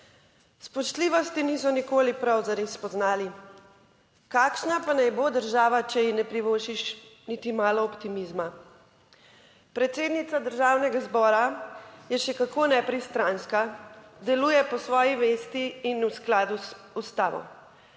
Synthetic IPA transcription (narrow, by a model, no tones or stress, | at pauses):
spɔʃt̪liʋɔst̪inisɔnikoːlipɾawzaɾespɔznaːli | kaːkʃnapanajbod̪əɾʒaːʋat͡ʃɛjinɛpɾiʋoːʃiʃnit̪imaːlɔːpt̪imizma | pɾɛt̪seːd̪nit̪sad̪əɾʒaːwnɛɡazbɔːɾajɛʃɛkakonɛpɾist̪ɾanskad̪ɛluːjɛpɔsʋɔːjiʋeːst̪iːnusklaːd̪u | ust̪aːʋɔ̰